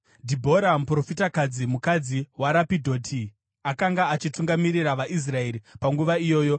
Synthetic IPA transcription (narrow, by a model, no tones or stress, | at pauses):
dʱibʱo̞ɾampro̞fitakad͡zimukad͡ziwaɾapidʱo̞ːtʰi | akaŋɡaːt͡ʃituŋɡamiɾiraʋaʔis̬rae̞ɾipaŋɡuʋaijo̞ːjo̞